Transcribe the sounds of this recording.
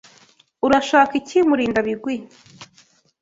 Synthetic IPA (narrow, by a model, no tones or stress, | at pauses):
uɾaʃaːkicimuɾiːndaβiɡwi